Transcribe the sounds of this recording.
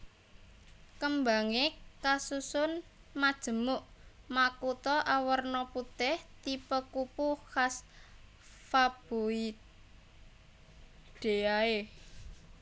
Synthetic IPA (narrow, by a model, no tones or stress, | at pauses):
kəmbaŋekasusʊn | mad̥ʒ̥ə̤mʊʔmakut̪ɔʔawərnɔput̪ɪht̪ipəkupuhas | fab̥oit̪̚ | ɖ̪̥e̤jae